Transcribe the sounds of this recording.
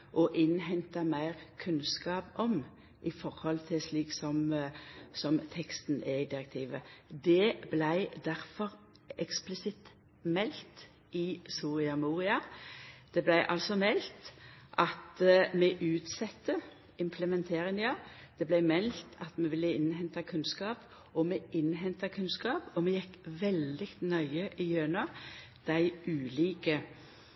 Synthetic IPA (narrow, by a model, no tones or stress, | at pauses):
ʔɔʔɪnːɦɛnt̪ɑmæɪʁkʰʉnskɑːpɔm | ʔɪfɔʁhɔlt̪ʰɪsliːksɔm | sɔmt̪ʰɛkst̪n̩ɛɪd̪ɪɾɛk̚t̪ʰiːʋəd̪ɛblæɪd̪æʁfɔʁ | ɛksplɪsɪt̪ | mɛlt̪ | ʔɪsuːʁɪɑmuːʁɪɑd̪̥ɛblæɪʔɑlsɔmɛlt̪ʔɑt̪mɛʔʉːt̪sɛt̪ːə | ɪmpʰləmɛnt̪ʰeːɾɪŋjɑd̪̥ɛblæɪmɛlt̪ʰɑt̪mɛʋɪlːəɪnɦɛnt̪ɑkʰʉnskɑːp | ɔmɛʔɪnɦɛnt̪ɑkʰʉnskɑːpɔmɛjɛkʋɛld̪ɪt̪nœʏəʔɪjøːnɑ | d̪̥æɪʔʉːliːkə